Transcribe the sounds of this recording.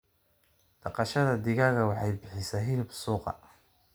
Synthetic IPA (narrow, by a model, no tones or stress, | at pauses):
d̪̥ɑqɑʃɐðɐd̪ɪɣaːɣɐwɑħɑjbɪħɪsaːɦɪlɪbsuːqɑ̰